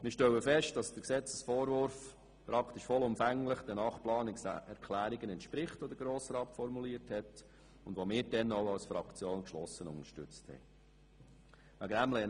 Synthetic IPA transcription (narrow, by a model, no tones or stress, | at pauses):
mɪːʃtɛwəfɛʃt̚d̥ɑsd̥əksɛt͡səsfɔːɾʋʊɾf | pɾɑkʰt̪iʃfɔlʊmfæŋləχd̥̪ənɑːχplɑːnɛɾkʰlæːɾiɡənɛntʃpɾɪχtɔd̪əɾɡɾoːsɾɑːtfɔɾmuliːəɾthɛt | ʊndʋomɪːɾd̥ɛnoʊɑwsfɾɑkt͡sjoːnkʃlɔsːənʊŋəʃtʏ̰t͡sthɛ̰ | ʋæɡæmlɛ